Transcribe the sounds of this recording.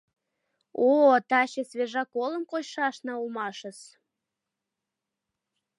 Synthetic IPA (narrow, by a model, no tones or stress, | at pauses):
ot̪ɑɕesβeʒɑkolə̆mkoɕʃɑʃnɑulmɑʃə̆s